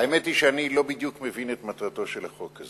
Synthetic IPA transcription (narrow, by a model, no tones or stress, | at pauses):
aemetiʃeanilo̞bid̪jukmevinet̪mat̪ʁato̞ʃelaχo̞kaz